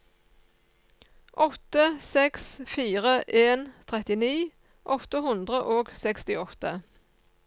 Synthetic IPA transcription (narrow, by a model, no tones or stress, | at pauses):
ʔɔt̪əsɛksfiːʁəʔeːnt̪ʰʁɛt̪ɪniː | ʔɔt̪əɦʉnd̪ʁəʔoːɡsɛkst̪ɪɔt̪ə